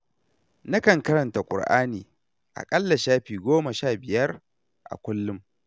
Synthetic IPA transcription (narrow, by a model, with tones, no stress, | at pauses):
na˦kɐ˨ŋkɐ˦ɾɐ˨nta˨kʷʼʊ̰˨rʔa̰ː˦niː˨ | ʔa̰˨kʼɐ˦lːɐ˨ʃaː˦ɸiː˨ɡʷoː˦mɐ˨ʃaː˦˨bɪ˨jɐ˦r | ʔa̰˨kʷʊ˦lːʊ˦m